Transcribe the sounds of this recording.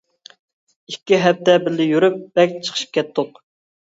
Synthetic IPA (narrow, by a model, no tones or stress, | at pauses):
ikʲːiɦɛp̚t̪ɛbɪlːɪjyɾyp̚b̥ɛkʲt͡ʃʰə̥χʰəʃi̥p̚kʲʰɛt̪ʰːʊq